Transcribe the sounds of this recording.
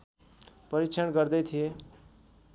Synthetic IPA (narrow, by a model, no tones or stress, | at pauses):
pʌɾit͡ʃʰʌnɡʌɾd̪ʌt̪ʰije